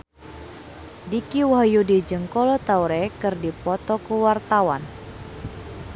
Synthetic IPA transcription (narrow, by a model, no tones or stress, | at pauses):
dikiwaɦjudid͡ʒəŋkɔlɔt̪auɾɛkɨrdipɔt̪ɔkuwart̪awan